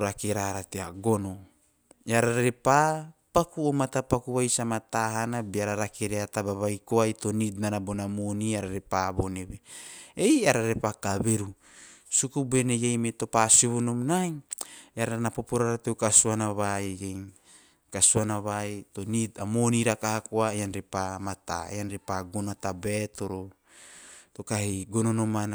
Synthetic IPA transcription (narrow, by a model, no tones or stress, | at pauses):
ɾakeɾaɾateaɡo̞no̞ | jaɾaɾɾe̞papakuomatapakuβajsamataɦanabeaɾaɾakeɾeatabaβajkoajto̞nitnanabo̞namoniaɾaɾe̞paβo̞neβeejaɾaɾe̞pakaβe̞ɾu | sukubenejejmeto̞pasuβunomnajaɾaanapopoɾaɾatewkasuanaβajejŋ | kasuanaβajtonitamoniɾakahakoaeanɾepamat̪a̰ḛjanɾepaɡonatabetoɾo | to̞kahiɡononomana